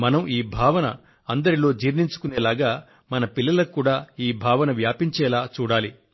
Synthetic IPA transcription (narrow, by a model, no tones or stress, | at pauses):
mɐnɐmiːbʱaːʋɐnɐ̰ | ɐnd̪ɐɾilo̞ːd͡ʒiːɾniɲt͡ʃu̥kuneːlaːɡaː | mɐnɐpilːɐlɐkːuːɽaːiːbʱaːʋɐnɐʋjaːpiɲt͡ʃɛːlaːt͡ʃuːɽaːli